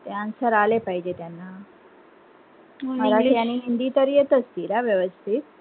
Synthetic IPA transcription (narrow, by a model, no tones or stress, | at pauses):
t̪jaansəɾalepajd͡ʒet̪janːa | maɾakjaniɦind̪it̪əɾijət̪əst̪iɾaʋjəʋəst̪ʰit̪̚